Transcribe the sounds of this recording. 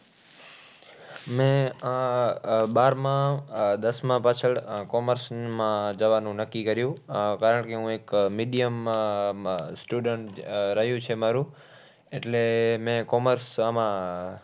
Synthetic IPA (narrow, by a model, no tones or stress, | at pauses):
mẽ | ɓaːɾmãd̪əsmãpat͡ʃʰəɽkoːməɾsmãd͡ʒəʋaːnũnəkːikəɾjũkaːɾəɳkeɦũːeːkmiːɗijəm | sʈjuːɖəɳʈɾəɦijũt͡ʃʰemaːɾũː | eʈlemẽkoːməɾsamã